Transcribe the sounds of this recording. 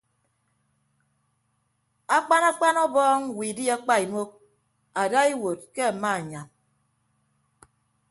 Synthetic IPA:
a˦k͡pa˦na˦k͡pa˦nɔ˦bɔː˦ŋwiː˨di˦a˦k͡pa˦i˨mo˦k̚ | a˨da˦i˦wo˨t̚ke˦˨ma˦˨ɲa˨n

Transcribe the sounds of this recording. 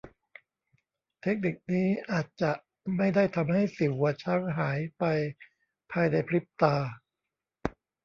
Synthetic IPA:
t̪ʰe˦˥k̚ni˨˩k̚niː˦˥ʔaː˨˩t̪̚t͡ɕa˨˩ʔ | ma˥˩jda˥˩jt̪ʰa˧mha˥˩jsi˩˦wwa˧t͡ɕʰa˦˥ŋɦaː˩˦jpa˧j | pʰaː˧jna˧jpʰli˦˥p̚t̪aː˧

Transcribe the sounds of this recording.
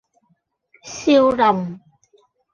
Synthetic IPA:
si˧əwza˨˩wŋ͡m

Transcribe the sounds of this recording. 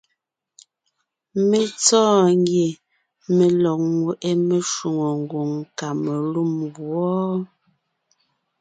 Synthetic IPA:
me˦t͡sɔː˦˨ŋ˦ɡje˨ | me˨lɔ˨k̚ŋwe˨ʔe˦me˨ʃu˨ŋo˨ŋ˨ɡwo˨ŋka˨me˨lu˦˨mbwɔ˦

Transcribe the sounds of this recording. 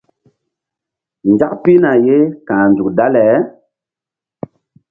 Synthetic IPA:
nd͡ʒa˦kpi˦na˨je˦kã˨nd͡zu˨k̚da˦lɛ˨˦

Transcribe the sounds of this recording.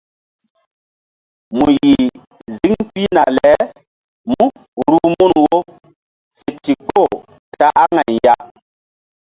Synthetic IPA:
mu˨ji˨ | zi˦ŋpi˦na˨lɛ˨˦ | mu˦ | ɾu˦mu˦nwo˦ | fe˨ti˨ko˦˨ | ta˦ʔa˦ŋa˨nja˦

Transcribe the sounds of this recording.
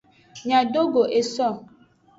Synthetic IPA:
ɲa˨do˦ɡo˨ʔe˨sɔ˦˨

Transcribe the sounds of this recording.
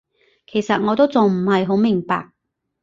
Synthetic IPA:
kʰe˨˩jsɐ˨t̚ŋɔː˨˧t̪o˥wt͡sʊ˨ŋm̩˨˩hɐ˨jɦo˨˥wmɪ˨˩ŋpa̰ː˨k̚

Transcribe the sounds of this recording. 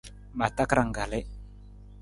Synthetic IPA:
ma˨ta˦kɾa˨ŋ˨ɡa˨lɛ˦

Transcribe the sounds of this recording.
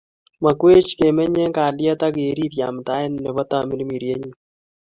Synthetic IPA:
ma˨kwe˦t͡ʃke˨mɛ˦ɲɛ˦ŋka˨ljɛ˦t̪a˦ɡe˨ɾi˦pja̰˨mta˦ɪ˦nːɛ˨βɔ˦t̪a˨mi˦lmi˨ɾje˦ɲi˨

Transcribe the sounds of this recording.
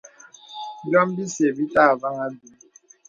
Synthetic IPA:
dɔ˦m˦bi˦se˨bi˦ta˦˨va˦ŋa˦du˨

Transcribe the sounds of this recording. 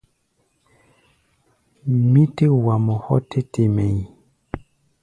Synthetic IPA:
mi˦te˦wa˨mɔ˨hɔ̰˦tʰe˦te˨me˨j

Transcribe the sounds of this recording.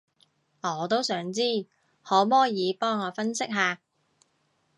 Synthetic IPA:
ɔː˨˧t̪o˥wsœː˨˥ŋt͡siː˥˩ | hɔː˨˥mɔː˥jiː˨˧pɔː˥ŋɔː˨˧fɐ˥nsɪ˥k̚ɦaː˨˧

